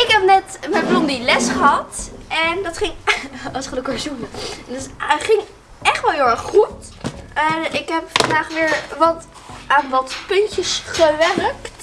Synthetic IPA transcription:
ɪkɦɛp̚nɛtmɛblɔndilɛsχəɦɑtʔɛndɑtχɪŋɑsχədəkaɹzunədtsχɪŋ | ʔɛχtʋɛlˠɦɪlˠɛɹχχut | ɪkɦɛpfɑndaːχʋɪːɹʋɑt | ʔaːnʋɑtpɵntəsχəʋɛrkt

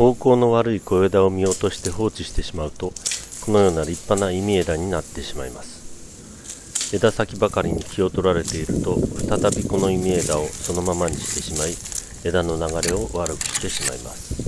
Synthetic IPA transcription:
ho̞ːko̞ːno̞βaɾɯ̟iko̞ed̪ao̞mʲio̞t̪o̞ɕi̥t̪e̞ɦo̞ːt͡ɕiɕi̥t̪e̞ɕimaɯ̟t̪o̞ko̞no̞jo̞ːnaɾʲipːanaimʲie̞d̪aɲ̟inat̪ːe̞ɕimaimasɨ̥ | e̞d̪asakʲibakaɾʲiɲ̟ikʲio̞t̪o̞ɾaɾe̞t̪e̞iɾɯ̟t̪o̞ɸɯ̥t̪at̪abʲiko̞no̞imʲie̞d̪ao̞so̞no̞mamaɲ̟iɕi̥t̪e̞ɕimai | e̞d̪ano̞naɡaɾe̞o̞ʔβaɾɯkɯ̟̥ɕi̥t̪e̞ɕima̰ima̰sɨ̥

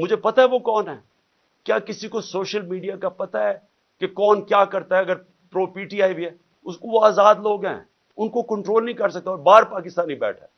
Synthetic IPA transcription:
mʊd͡ʒʱepɐt̪aɦɛʋokɔːnɦɛː | kjaːkɪsikosoːʃəlmiːɖijakapɐt̪aɦɛː | kekɔːnkjaːkɐɾt̪aɦɛɐɡəɾ | pɾoːpiːʈiaːibʱiɦɛː | ʊskoʋoaːzaːd̪loːɡɦɛ̰̃ː | ʊnkokɐ̃ɳʈɾoːlnɐɦĩkɐɾsɐk̚t̪aɔːɾbaːɾpaːkɪst̪aːnibɛ̰ːʈʰɛː

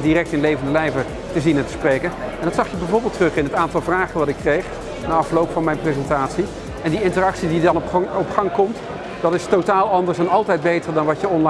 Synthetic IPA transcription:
diɾɛk̚tɪnlejvəndəlɛjvəɹ | təzinɛntə̥sprejkənɛndɑtsɑχjəbɛjvʊːɹbɪːlˠtrɵχɪnətaːntɑlˠvraːχənʋɑtɪkːrejχ | naɑfəlowpfɑnmɛjnprezɛntaːtsi | ɛndiɪntərɑksididɑnɔpχɑŋkɔmt | d̥ɑtɪstotaːlˠɑndəɹsɛnɑlˠtɛjd̚bejtəɹdɑnʋɑtəɔnl

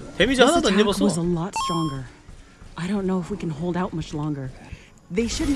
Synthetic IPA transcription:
t̪emid͡ʑahanad̪oaɲːebassoʌzəlɔtstɹ̥ɔ̃ŋɡə˞ | ʔaɪɾõʊ̃nːoʊəfwikɨ̃n̩ɦoʊlˠdaʊt̚mʌt͡ʃlɔ̃ŋɡə˞ | ðeɪʃʊdⁿn̩

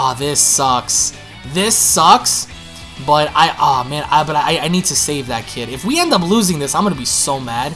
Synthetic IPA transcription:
ʌðɪsʌks | ðɪsʌks | b̥ʌɾa̰ɪʔʌmæ̃nabʌɾaɪaɪaɪnid̚tʰɨseɪvðɨt̚kʰɪɾɨfwiɛ̃ndʌp̬luzɪ̃ŋðɪsãɪ̃mɡʌnɨbisoʊmæd̥

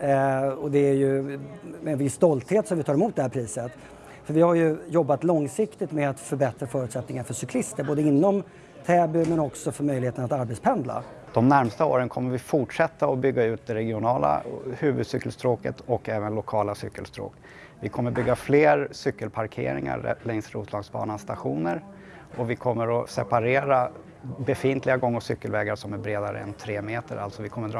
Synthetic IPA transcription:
ɔd̪ɛæɾjɵ | ɛnvɪsːt̪ɔlt̪heːt̪sɔmvɪt̪ʰɑːɾɛmuːt̪d̪ɛhæːɾpʰɾiːsət̪ | fœɾvɪhaɾjɵjɔbːat̪lɔŋsɪkt̪ɪt̪mɛat̪fœɾbɛt̪ɾafœːɾɵʉt̪sɛt̪nɪŋaɾfœʂʏkʰlɪst̪əɾboːd̪əɪnːɔm | t̪ʰɛːbʏmɛnɔksɔfœɾmœjlɪheːt̪ənat̪aɾbɛt̪spʰɛnd̪la̰ | d̪̥ɔmnæɾmst̪ao̰ːɾənkʰɔmːəvɪfʊʈʂɛt̪ːaɔbʏɡːaʉ̟ːt̪̚d̪ɛɾɛɡɪʊnɑːla̰hʉ̟ːvɵd̪sʏkːəlst̪ɾoːkə̰t̪ɔkːɛːvənlʊkʰɑːlasʏkːəlst̪ɾo̰ːk | vɪkʰɔmːəɾbʏɡːafleːɾsʏkːəlpʰaɾkʰḛːɾɪ̰ŋa̰ɛ̰lɛŋsɾuːt̪ʰlɑːɡsbɑ̰ːnanst̪aɧuːnəɾ | ɔvɪkʰɔmːəɾɔsɛpaɾeːɾa | bɛfɪnt̪ʰlɪɡaɡɔŋːəsʏkːəlvɛːɡaʂɔmæɾbɾeːd̪aɾə̰ɛ̰nt̪ʰɾeːmeːt̪əɾʔa̰lt̪sɔvɪkʰɔmːəɖɾ

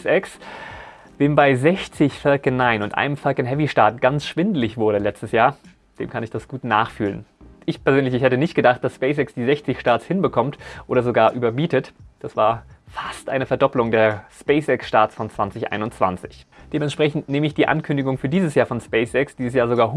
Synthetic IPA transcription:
sɛks | v̥eːmbaɪzɛçt͡sɪçfɛlkənaɪnʊntʔa̰ɪnəmfalkənɦɛviʃtaɐtɡ̥ansʃv̥ɪndəlɪçv̥ʊɐɾəlɛt͡stəsjaːɐ | d̥ḛːmkʰanɪçd̥asɡ̥uːtna̰ːχfyːlənʔɪçpɛɐzøːnlɪçɪçhɛtənɪçt̚ɡ̥ədaχt̚d̥aspɛɪs̬ɛksd̥iːzɛçt͡sɪçʃtaːɐt͡sshɪnbəkʰɔmtʔoːɾɐzoɡaːɐʔyːbɐmiːtətd̥asv̥aːɐfastʔaɪnəfɛɐdɔplʊŋdeːɐspɛɪsɛksʃtaɐt͡sfɔnt͡sv̥ant͡sɪçʔa̰ɪnʊnt͡sv̥a̰nt͡sɪ̥çd̥eːmɛntʃpʁ̥ɛçn̩tneːməɪçd̥iːʔa̰nkʰʏndɪɡʊŋfyːɐdiːzəsjaːɐfɔnspɛɪsɛksd̥iːzəs̬jaːɐzoɡaːɐɦ

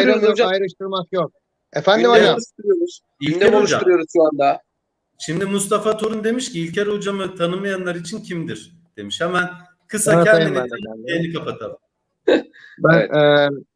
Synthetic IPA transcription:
jɾamjoaajɾɯʃt̪ʰɯɾmakjok̚ | efænd̪imaaʃt̪uɾijoɾuz̥ | icɛeolˠd͡ʒauɾɯjo̞ɾuzʃuand̪a | ʃimd̪imust̪ʰafat̪ʰoɾund̪e̞miʃciːlʲcʰeɾod͡ʒamɯt̪ʰanɯmajanlˠaɾit͡ʃʰincʰimd̪iɾ̥ | d̪̥e̞miʃhamæn | kʰɯsaɛeeænd̪ɛɛenʲikʰapat̪ʰam | bænɛ

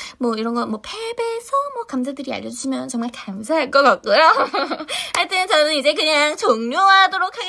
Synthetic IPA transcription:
mwʌiɾʌnɡʌnmwʌpʰebesʰʌmwʌkamsʰadɯɾia̰ʎːʌd͡ʑuɕʰimjʌnt͡ɕʌŋmaɭkamsʰaɦaɭk͈ʌk͈at̚k͈ujo | haɭt͈enɯnt͡ɕʌnɯnid͡ʑe̞kɯɲaŋt͡ɕʌŋɲoɦadoɾokʰaɡ

